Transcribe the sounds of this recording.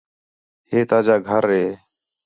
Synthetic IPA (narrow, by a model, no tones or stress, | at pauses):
heːt̪aːd͡ʒaːɡʱəɾɦeː